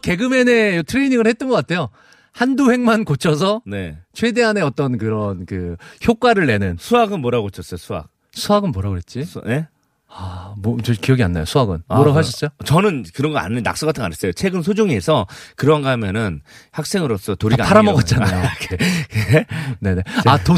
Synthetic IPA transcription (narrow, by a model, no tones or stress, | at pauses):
ke̞ɡɯme̞ne̞jotʰɯɾeniŋɯɭhet̚t͈ʌnɡʌk͈atʰe̞jo | handuhe̞ŋmankot͡ɕʰʌsʰʌne̞t͡ɕʰwe̞de̞ɦane̞ʌt͈ʌnkɯɾʌnkɯçjok͈waɾɯɭːe̞nɯnsʰuaɡɯnmoɾaɡoit͡ɕʰʌs͈ʌjosʰua̰k̚ | sʰuaɡɯnmʌɾaɡoɾet̚t͡ɕ͈ine̞ | amt͡ɕkijʌɡianːajosʰuaɡɯnoɾaɡoɦaɕʰʌt͡ɕ͈ot͡ɕʌnɯnkɯɾʌŋɡʌa̰nɯnnːa̰k̚s͈uɡatʰɯna̰nes͈ʌjot͡ɕʰe̞ɡɯnsʰod͡ʑoŋiɦesʰʌkɯɾʌanɡʌɦamjʌnɯnhak̚s͈e̞ŋɯɾos͈ʌtoɾiɡaaɾamʌɡʌt̚t͡ɕ͈anajokeene̞ne̞ato